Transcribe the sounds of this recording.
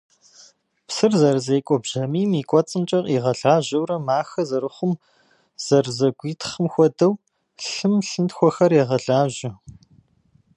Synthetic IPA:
psɨrzɐrzeːkʷʼɔbʑɐmiːmiːkʷʼɔt͡sʼɨmt͡ʃʼɐqʼiːʁɐɮaːʑɐwɾɐmaːxɐzɐrɨχʷʊm | z̥ɐrzɐɡʷiːtʰχəmxʷɔdɐw | ɬɨmɬɨntxʷɔxɐreːʁɐɮaːʒɪ

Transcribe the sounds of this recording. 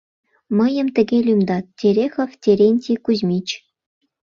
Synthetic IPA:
mɤ̆jɤ̆mt̪ʲɘ̆ɡʲelʲymd̪ɑt̪̚ːʲeɾʲexɤ̆ftʲeɾʲenʲtʲikuzmʲit͡ɕ

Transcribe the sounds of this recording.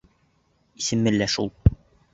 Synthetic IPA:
isɘ̆mːɘlːæʃṵlˠ

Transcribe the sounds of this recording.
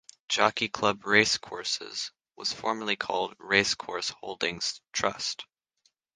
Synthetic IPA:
d̥ʒ̥ɑkikʰl̥ʌbɹeɪskʰɔɹsɪ̰z̥ | wʌ̰z̥fɔɹmə˞lˠikʰɔ̰lˠd̚ɹeɪskʰɔɹshoʊlˠdɪ̃ŋz̥tʰɹ̥ʌ̰st

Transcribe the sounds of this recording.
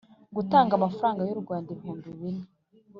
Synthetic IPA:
ɡutaːŋɡamafaɾaːŋɡajoɾɡwaːndimhuːnduβini

